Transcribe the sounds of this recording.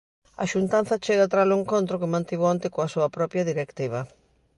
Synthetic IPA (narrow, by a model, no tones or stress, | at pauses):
ɐ̰ʃunt̪an̟θɐt͡ʃeɣat̪ɾalʊeŋkont̪ɾokɪmãnt̪iβoant̪ɪkoɐsuɐpɾɔpjɐðiɾekt̪iβ̞ɐ